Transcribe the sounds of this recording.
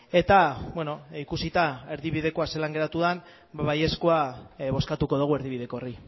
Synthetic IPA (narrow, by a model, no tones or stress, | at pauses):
e̞t̪abweno̞ikusit̪ae̞ɾðiβiðe̞ko̞ase̞laŋɡe̞ɾat̪uðan | baβaje̞skoaβo̞skat̪uko̞ðuɣ̞ue̞ɾðiβiðe̞ko̞ri